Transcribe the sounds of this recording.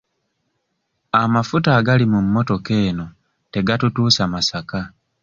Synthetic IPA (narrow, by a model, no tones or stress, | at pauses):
amafutaːɡalimumːo̞to̞ke̞ːno̞ | te̞ɡatutuːsamasaka